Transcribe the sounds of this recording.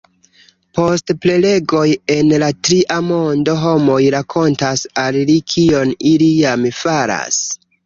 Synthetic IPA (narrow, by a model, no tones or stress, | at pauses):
po̞stple̞le̞ɡo̞je̞nlatɾiʔamo̞ndo̞ɦo̞mo̞jɾakʰo̞ntasallikʰio̞nilijamfaɾa̰s